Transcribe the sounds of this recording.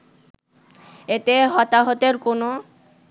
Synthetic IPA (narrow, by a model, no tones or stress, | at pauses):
et̪eɦɔt̪aɦot̪eɾkono